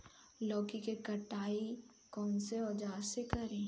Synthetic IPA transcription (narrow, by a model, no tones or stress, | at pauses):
lɔːkikekɐʈaːi | kɔːnseɔːd͡ʒaːsekɐɾẽː